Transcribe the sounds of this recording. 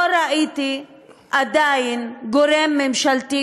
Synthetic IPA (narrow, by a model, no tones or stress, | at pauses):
oɾaʔiːt̪i | ʔad̪aːjinɡoɾemːemʃalt̪i